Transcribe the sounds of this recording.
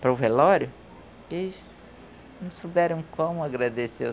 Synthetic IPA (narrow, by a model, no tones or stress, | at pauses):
pɾɐvelɔɾʊ | elz | nɐ̃w̃sobɛɾɐ̃w̃kõmʊaɡɾad̪ese